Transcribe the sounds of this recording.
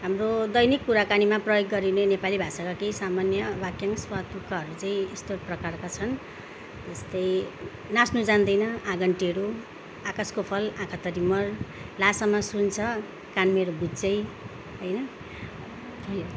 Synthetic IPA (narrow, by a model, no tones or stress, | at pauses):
ɦamrod̪ʌjnikːuɾakanimaprʌjoɡːʌɾinenepalibʱasakakejsamanjʌbakjaŋswat̪ukaɦʌɾut͡saĩest̪oprʌkarkat͡sʰʌn | d͡zʌst̪ʌj | nasnud͡zand̪ʌjnʌaɡʌɳʈiʌɾu | akaskopʰʌlãkʰat̪ʌɾimʌrlasamasunt͡sʰʌ | kanmeɾobitt͡sʌj | ɦʌjnʌ